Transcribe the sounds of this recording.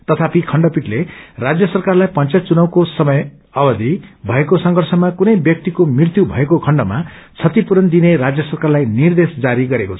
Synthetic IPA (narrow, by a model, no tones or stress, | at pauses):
t̪ʌt̪ʰapikʰʌɳɖʌpiʈlerad͡zjʌsʌrkarlajpʌnt͡sjat͡sunʌw̃kosʌmʌj | ʌbʌd̪ʱibʱʌekosʌŋɡʱʌrsʌmakunʌjbjʌk̚t̪ikomirt̪jubʱʌekokʰʌɳɖʌmat͡sʰʌt̪ipuɾʌnd̪ineɾad͡zjʌsʌrkarlajnird̪esd͡zaɾiɡʌɾekot͡sʰʌ